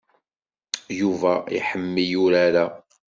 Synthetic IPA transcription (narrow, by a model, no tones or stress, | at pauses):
juvæḭħəmːijuɾaɾæ